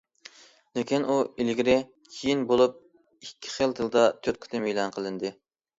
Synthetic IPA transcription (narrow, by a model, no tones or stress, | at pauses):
lɪkʲinuilɡʲiɾɪ | kʲʰijinbolˠup̚ | ikʲʰːi̥χəlˠd̪ʰɨlˠd̪ɑt̪ʰøt̪̚kʲʰy̥t̪ɪmejlˠɑnqʰəlˠɨnd̪ɨ